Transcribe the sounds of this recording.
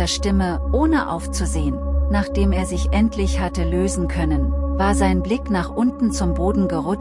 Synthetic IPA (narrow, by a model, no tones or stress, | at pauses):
ɐɐʃtɪməʔoːnəʔa̰ʊft͡suzeːənnaːχd̥eːmeːɐzɪçʔɛntʰlɪçhatəløːzn̩kʰœnənvaːɐzaɪnblɪknaːχʔʊntn̩t͡sʊmboːdn̩ɡəʁʊ